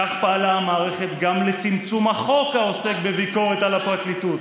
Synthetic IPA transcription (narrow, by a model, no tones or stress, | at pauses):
aχpaalaamaːʁe̞χe̞t̪ɡamle̞t͡simt͡sumaχo̞kaose̞kbe̞viko̞ʁetalapʁat̪litut